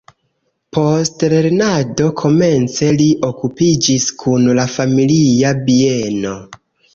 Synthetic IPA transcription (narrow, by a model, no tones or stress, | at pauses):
pʰo̞stle̞ɾnado̞kʰo̞me̞nt͡se̞liʔo̞kupid͡ʒiskʰunlafamiliabie̞no̞